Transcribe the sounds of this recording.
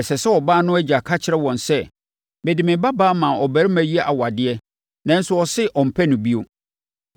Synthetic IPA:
ɛ˨sɛ˨sɛ˦ɔ˨baː˦nʊ̃˦æ˦d͡ʑa˨kʰa˦t͡ɕʰɪ˦ɾɛ˦wɔ̃˨nsɛ˦ | be˨dɪ˨mɪ̃˨ba˦baː˦mã˨ɔ˨bæ˨˦ɾɪ˦mæ̃˨ji˦ɛ˦ʔa˨wa˨dɪ˦ɛ˦ | nã˦n̩˦sʊ˦ɔ˨sɪ˦ʔɔ˨m̩˨pʰæ˦nʊ̃˨bi˦o˦

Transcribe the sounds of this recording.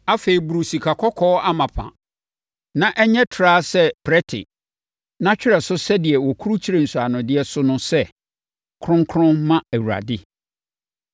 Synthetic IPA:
a˦fe˨i˨bu˨ɾu˨si˨kʰa˨kʰɔ˦kʰɔː˦a˦mã˨pʰã̰˨ | nã˦˨ʔɛ˦ɲɛ̃˦tʰɾaː˦sɛ˦pʰɾɛ˦tʰɪ̰˨ | nã˦t͡ɕᶣɪ˦ɾɛ˨sʊ˦sɛ˦dɪ˨ɛ˨wɔ˨kʰu˦ɾu˦t͡ɕʰi˦ɾe˨n̩˨su˨a˨nʊ̃˨dɪ˦ɛ˦sʊ˦nʊ̃˦sɛ˦ | kʰɾʊ̃˦ŋ˦kʰʊ̃˦nmã˦æ˨wu˨ɾa̰˨dɪ˦

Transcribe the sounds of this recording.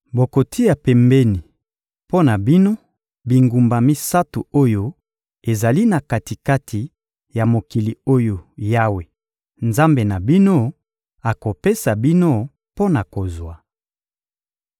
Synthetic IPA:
bo˨ko˨tʰi˦ja˨pɛ˨mbɛ˦ni˨ | po˦na˨bi˦no˦ | bi˨ŋɡu˨mba˨mi˦sa˦tu˨o˦jo˦ | e˨za˨li˦na˨ka˨ti˨ka˦tʰi˨ | ja˨mo˨ki˨li˨o˦jo˨ja˦we˨ | nza˦mbe˨na˨bi˦no˦ | a˨ko˨pe˦sa˨bi˦no˦ | po˦na˨ko˨zwa˨

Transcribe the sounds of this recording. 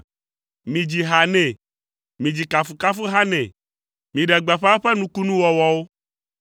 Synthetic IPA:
mĩ˨d͡ʑi˨ɦa˨nɛ̃˨ | mĩ˨d͡ʑi˨ka˨fu˨ka˦fu˦ɦa˦nɛ̃˨ | mĩ˨ɖɛ˨ɡ͡ba˨ɸɸɛ˦nũ˦ku˦nũ˦wɔ˨wɔ˦wo˦

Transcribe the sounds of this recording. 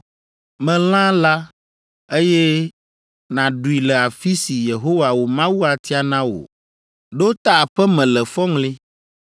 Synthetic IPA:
mɛ̃˨l̃ã˦la˦ | e˦jɛ˦ | nã˨ɖu˨i˨lɛ˨a˨fi˦si˨je˨ɦo˦wa˨wo˨mã˦wu˦a˨t̪i˦a˨nã˦wo̰˨ | ɖo˦t̪a˦˨ɸɛ˦mɛ̃˨lɛ˨fɔ˦ŋle˦

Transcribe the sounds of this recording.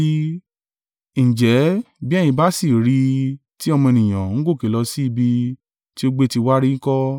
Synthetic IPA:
i˧ | ñ̩˨d͡ʒɛ˨˦bi˦ɛ˦j̃ĩ˧ba˦si˦˨ɾi˧ | ti˦ɔ˧mɔ̃˧e˧nĩ˨j̃ã˨ŋ̩˨˦ɡo˦˨ke˨lɔ˧si˦i˦˧bi˧ | ti˦o˦ɡ͡be˦ti˧wa˦ɾi˦kɔ˦

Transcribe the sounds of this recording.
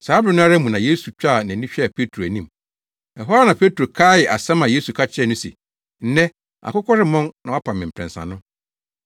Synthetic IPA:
saː˨˦bɾɪ˨˦nʊ̃˦a˦ɾa˦mũ˨nã˨je˦su˨t͡ɕᶣa˦˨nã˨nĩ˦ɕᶣɛ˦a˨pʰe˦tʰɾo˨æ˨nĩ˦m | ɛ˨ɦɔ˦a˦nã˨pʰe˦tʰu˨ɾo˨kʰaː˦jɛ˨ʔa˨sã˦mã˨je˦su˨kʰa˦t͡ɕʰɪ˦ɛ˦˨nʊ̃˦sḛ˨ | n̩˦nɛ̃˦ | a̰˨kʊ˦kʰɔ˦ɾɪ˦mɔ̃˦nnã˨a˦pʰã˨mɪ̃˨m̩˨pʰɾɛ̰̃˨n˨sã̰˨nʊ̃˦

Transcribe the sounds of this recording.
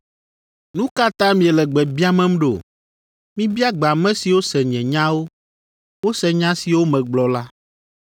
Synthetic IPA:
nũ˦ka˦t̪ã˦mĩ˨ɛ˨lɛ˨ɡ͡bɛ˨bi˦a˦mɛ̃˦m̩˦ɖo̰˨ | mĩ˦bi˦a˦ɡ͡be˨a˨mɛ̃˦si˨wo˦sɛ˨ɲɛ̃˨ɲã˦wo˦ | wo˦sɛ˨ɲã˦si˨wo˦mɛ̃˨ɡ͡blɔ˨la˦

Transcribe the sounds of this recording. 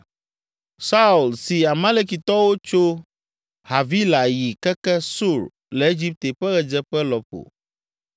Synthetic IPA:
sa˦u˨lsi˨a˨mã˦le˦k̬i˨t̪ɔ˦wo˦t͡ʃo˦ | ha˨vi˦la˨ji˨kɛ˦kɛ˦su˦˨ɾ | lɛ˨e˦d͡ʑi˦p̚t̪e˨ɸɛ˦ɣɛ˨d͡ʒɛ˦ɸɛ˦lɔ˨ɸo̰˨

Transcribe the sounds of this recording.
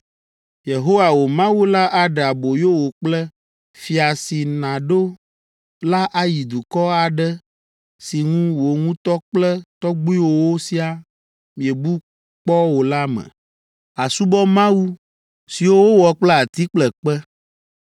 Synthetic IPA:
je˨ɦo˦wa˨wo˨mã˦wu˦la˦ʔa˦ɖa˨bo˨jo˦wo˨k͡plɛ˦ | fi˨a˨si˨nã˨ɖo˦ | la˦ʔa˦ji˨d̪u˨kɔ˦a˨ɖɛ˦ | si˨ŋũ˦wo˨ŋũ˦t̪ɔ˦k͡plɛ˦t̪ɔ˦ɡ͡bu˦i˦wo˦wo˦si˦a˨ | mĩ˨e˨bu˦ | k͡pɔ˦wo˨la˦mɛ̰˨ | a˨su˦bɔ˦mã˦wu˦ | si˨wo˦wo˦wɔ˨k͡plɛ˦a˨t̪i˦k͡plɛ˨k͡pɛ˦

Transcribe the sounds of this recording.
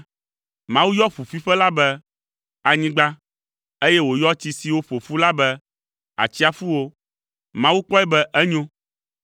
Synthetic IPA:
mã˦wu˦jɔ˦fu˨fi˦ɸɛ˦la˦bɛ˦ | a˨ɲĩ˦ɡ͡ba˦ | e˦jɛ˦wo˨jɔ˦t͡ɕi˨si˨wo˦fo˨fu˦la˦bɛ˦ | a̰˨t͡ɕi˦a˨fu˦wo˦ | mã˦wu˦k͡pɔ˦ɛ˦bɛ˦ʔɛ˦ɲõ˦

